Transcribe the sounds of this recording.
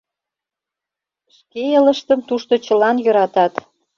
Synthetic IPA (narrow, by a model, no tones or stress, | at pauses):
ʃkeələ̆ʃt̪əmt̪uʃt̪ot͡ɕə̆lɑnjø̆ɾɑt̪ɑt̪